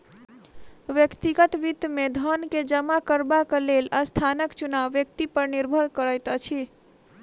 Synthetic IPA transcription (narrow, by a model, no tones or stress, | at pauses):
ʋjəkt̪iɡət̪ʋit̪med̪ʱənked͡ʒəmakəɾbakəlelast̪ʰanəkt͡ʃunaʋːjəkt̪ipəɾniɾbʱəɾkəɾəjt̪ət͡ʃʰi